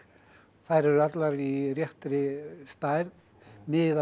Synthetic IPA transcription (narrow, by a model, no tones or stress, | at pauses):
faːjɾɪɾʏat̪laɾirjɛht̪ɾɪst̪ajɾð | mɪða